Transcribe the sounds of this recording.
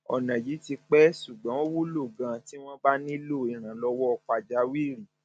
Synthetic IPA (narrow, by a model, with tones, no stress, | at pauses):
ɔ̰˨nã˨ji˨˦ti˧k͡pɛ˦ʃu˨ɡ͡bã˨˦o˦wu˦lo˦˨ɡã˨˧ti˦w̃ɔ̃˦ba˦nĩ˦lo˦˨i˨ɾ̃ã˨lɔ˧wɔ˦ɔ˧k͡pa˧d͡ʒa˨˦wi˦˨ɾi˨